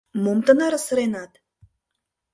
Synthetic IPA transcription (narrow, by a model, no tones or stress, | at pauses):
momt̪ə̆nɑɾsəɾenɑt̪